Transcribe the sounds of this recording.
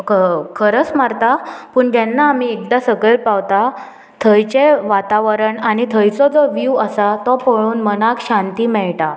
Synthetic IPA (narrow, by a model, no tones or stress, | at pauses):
kəkʰəɾət͡smaɾt̪apəːɳt̪anːaːmiek̚d̪asəɡəɭpaʋt̪a | t̪ʰəjt͡ɕeʋat̪aʋəɾəɳaɽit̪ʰəjt͡sɔd͡zɔʋuəsat̪ɔpəɭuːnmənakɕant̪iːmɛɭʈa